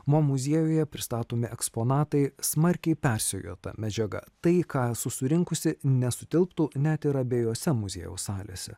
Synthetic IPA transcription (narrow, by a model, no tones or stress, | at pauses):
momʊzʲiɛjoːjɛpʲɾʲɪst̪ɑːt̪oːmʲɪʔɛkspoːnɑːt̪ɐɪsmɐɾʲkʲɛɪpʲæɾʲsʲɛjo̰ːt̪ɐ̰mʲɛd͡ʒʲɛɡɐ̰t̪ɐɪkɑːsʊsʊɾʲɪŋkʊsʲɪnʲɛsʊt̪ʲɪlˠpt̪uːnʲæt̪ɪɾɐbʲeːjoːsʲɛmʊzʲḭːjṵːsɑːlʲḛːsʲɛ̰